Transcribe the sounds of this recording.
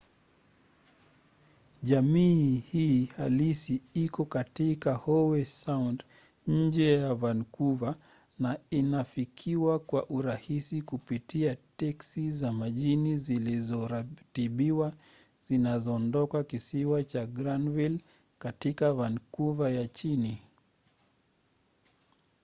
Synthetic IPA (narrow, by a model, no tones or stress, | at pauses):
ʄamiːhiːhalisiikɔkatikahɔwɛsawnd | ɲ̩d͡ʒɛjavankuva | nainafikʰiwakwaʔuɾahisikupitʰiatɛksizamaʄinizilizɔɾatiɓiwa | zinazɔːndɔkakisiwat͡ʃaɡɾanvil | katikavankuvajat͡ʃini